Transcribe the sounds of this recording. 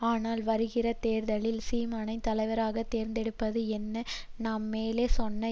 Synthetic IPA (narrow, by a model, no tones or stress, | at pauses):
aːnaːlʋɐɾɯɣɪrɐt̪eːɾðɐlɪlsiːmaːnɐɪt̪ɐlɐɪʋɐɾaːɣɐt̪eːɾnd̪ɛɽɯpːɐðɯɛnːɐnaːmːeːleːsɔnːɐ